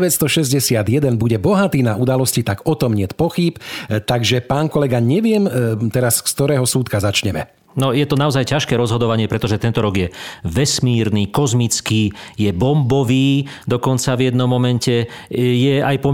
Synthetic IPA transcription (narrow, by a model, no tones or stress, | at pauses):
ʋɛtst̪ɔʃɛzɟɛsɪad̪jɛd̪ɛnbuɟɛbɔɦat̪iːnaud̪alɔscit̪akɔt̪ɔmɲɪɛt̪pɔxipt̪aɡʒɛpaːnkɔlɛɡaɲɛʋɪɛmt̪ɛɾaskst̪ɔɾɛːɦɔsuːt̪kazat͡ʃɲɛmɛ | nɔjɛt̪ɔnaɔzajcaʃkɛːɾɔzɦɔd̪ɔʋaɲɪɛpɾɛt̪ɔʒɛt̪ɛnt̪ɔɾɔɡjɛʋɛsmiːɾniːkɔzmit͡skiːjɛbɔmbɔʋiːd̪ɔkɔnt͡savjɛd̪nɔmːɔmɛncɛjɛajpɔ